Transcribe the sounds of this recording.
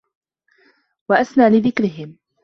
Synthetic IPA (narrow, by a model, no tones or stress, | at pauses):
waʔasnaːlɪðɪkɾɪɦɪm